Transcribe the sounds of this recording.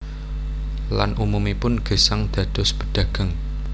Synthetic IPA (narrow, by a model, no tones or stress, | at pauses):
lanʔumumipʊnɡ̥ə̤saŋd̪̥ä̤d̪̥ɔ̤sb̥ə̤ɖ̪̥ä̤ɡ̥a̤ŋ